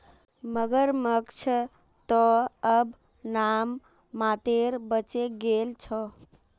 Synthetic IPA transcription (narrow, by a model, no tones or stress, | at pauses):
məɡəɾməkt͡ʃʰə | t̪ɔəb | namː | at̪eɾbət͡ʃeɡelt͡ʃʰɔ